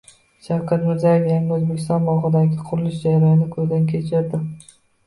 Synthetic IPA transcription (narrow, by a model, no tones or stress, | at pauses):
ʃawkʲʰat̪mɪɾzajefjanɪozbekʲʰɪst̪ɒnbɒʁɨd̪aɡʲɪqʰʊɾɪlɪʃd͡ʒaɾajɒnɪkʰɵzd̪ankʲʰe̞t͡ʃʰɪɾd̪ɪ